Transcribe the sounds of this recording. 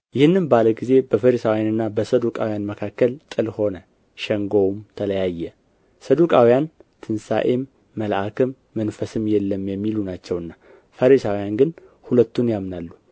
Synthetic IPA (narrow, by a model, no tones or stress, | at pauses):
jɪhɨnːɨnbaləɡize̞bəfəɾisawijanɨnːabəsəd̪ukʼawjanməkʰakːəlt̪ʼɨlho̞nə | ʃɛŋɡo̞wmt̪ʰələjajːɛ | səd̪ukʼawijant̪ʰɨnsa̰ʔemː | əlʔakʰɨmːənfəsɨmjɛlːəmjɛmːilunat͡ʃːɛwɨnːa | fəɾisawijanɡɨnhulət̪ːunjamnalːu